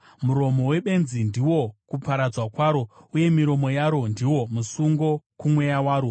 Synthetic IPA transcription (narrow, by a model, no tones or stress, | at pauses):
muɾo̞mo̞we̞ɓe̞nzindiwo̞kupaɾad͡zwakwaːɾo̞uje̞miɾo̞mo̞jaɾo̞ndiwo̞musuŋɡo̞kumwe̞jawaːɾo